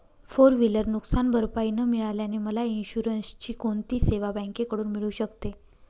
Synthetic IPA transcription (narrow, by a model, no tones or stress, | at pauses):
foɾʋiləɾnuksanbʱəɾpainəmiɭaljaneməlainɕuɾənst͡ɕiːkoɳt̪iːseʋabə̃ŋkekəɽuːnmiɭuːɕəkt̪e